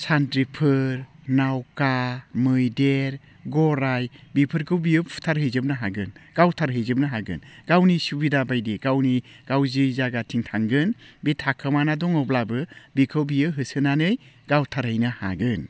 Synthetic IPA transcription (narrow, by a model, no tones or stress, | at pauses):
santɾipʰɯɾnawkamɯjdeɾ | ɡɔɾajbipʰɯɾkʰɯwbijɯpʰtʰaɾɦɯjzɯp̚nɯɦaɡɯnɡ̥awtʰaɾɦɯjzɯp̚nɯɦaɡɯ̰nɡ̥awnisubidabajdiɡawniɡ̥awzizaɡatʰiŋtʰaŋɡɯnbitʰakʰɯmanadɔŋɯblabɯbikʰɯwbijɯɦɯsɯnanɯj | ɡawtʰaɾhɯjnɯha̰ɡɯn